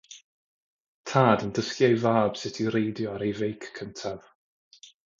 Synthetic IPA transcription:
tʰaːdəndəskjajvaːb̥sɪtʰiɾejdjɔaɾejvejkʰːəntʰav̥

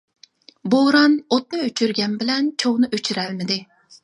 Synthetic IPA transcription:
boɾɑnot̪̚nɨøt͡ʃʰyɾɡʲɛnbɪlɛnt͡ʃʰoʁnɨʔøt͡ʃʰyɾælmɪd̪ɪ

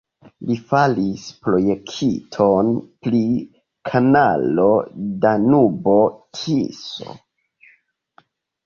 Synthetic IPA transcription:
lifalispɾo̞jekʰitʰonpli | kʰanalodanubo̞tʰḭso̰

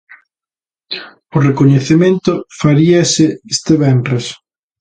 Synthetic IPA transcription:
ʊrekoɲeθemẽnt̪ʊfaɾiɐsɪest̪eβɛnpɾes

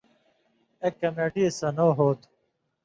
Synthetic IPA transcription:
ekːɐmeːʈiesɐnoːɦoːt̪

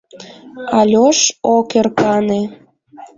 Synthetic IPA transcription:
ɑlʲoʃokerkɑne

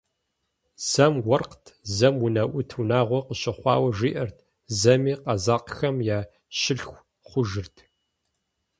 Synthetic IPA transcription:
z̥ɐmwɔrqtʰzɐmwʊnɐʔʷʊtʰwunaːʁʷɔqəɕɪχʷɑ̰ːwɐʒiːʔɐrtʰ | zɐmiːqɐzaːqxɐmjaː | ɕɪɬxʷ | χʷʊʒɨrtʰ

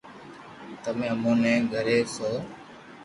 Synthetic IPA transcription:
t̪əmẽːəmõːnɛ̃ːɡʱəɾeːsoː

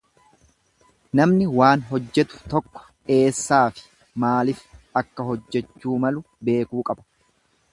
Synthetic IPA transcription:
nɐmnɪwaːnɦɔd͡ʒːɛt̪ʊ̥t̪ɔkːɔ̥ | e̞ːsːaːfɪ̥ | maːlɪfɐkːɐɦɔd͡ʒːɛt͡ʃːuːmɐlʊ | be̞ːkuːkʼɐbɐ̥

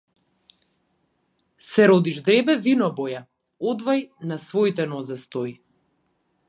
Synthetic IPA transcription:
sɛɾɔd̪iʒd̪ɾɛbɛvinɔbɔja | ɔd̪vajnasvɔit̪ɛnɔzɛst̪ɔi

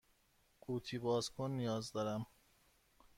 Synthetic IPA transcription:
ʔuːt̪ʰiːbɒːzkʰonːijɒːzd̪ɒːɾæm

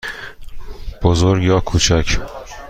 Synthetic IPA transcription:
b̥ozoɾɡjɒːkʰuːt͡ʃʰæcʰ

